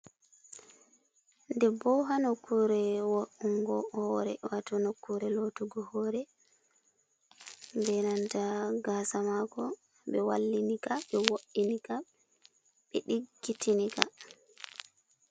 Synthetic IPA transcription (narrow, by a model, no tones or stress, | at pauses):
ndɛbɔɦanokːuɾɛwoʔuŋɡɔhɔɾɛ̰watɔnokːuɾɛlotuɡɔhɔɾɛ | bɛnantaɡasamakɔ | ɓɛwalːinikaɓɛwoʔinika | ɓɛɗiɡːitʰinika